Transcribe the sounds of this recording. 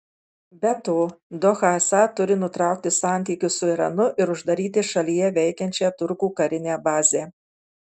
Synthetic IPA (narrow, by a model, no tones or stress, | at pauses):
bʲɛt̪oːd̪ɔxɑːsɑt̪ʊɾʲɪnʊt̪ɾɑˑʊk̚t̪ʲɪsɑˑnʲt̪ʲiːkʲʊsʊiɾɐ̰nʊʔɪɾʊʒd̪ɐɾʲiːt̪ʲɪʃɐlʲijɛʋʲɛɪkʲɛnʲt͡ʃʲɛt̪ʊɾkuːkɐɾʲɪnʲeːbɑːzʲeː